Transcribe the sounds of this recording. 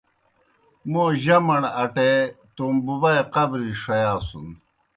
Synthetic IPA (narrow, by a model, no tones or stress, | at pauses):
moʑɐmɐɳɐʈet̪ombuβajqɐbɾiʂɐjaːsṵn